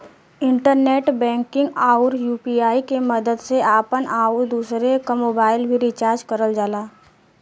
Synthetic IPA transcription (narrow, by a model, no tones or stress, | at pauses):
ɪ̃ɳʈəɾneːʈbɛ̃ːŋkɪ̃ŋɡaːʊɾjuːpiaːikeməd̪əd̪seaːpənʔaːuɾd̪uːsɾekamoːbaːɪlbʱiɾit͡ʃaːɾd͡ʒkəɾəld͡ʒaːlaː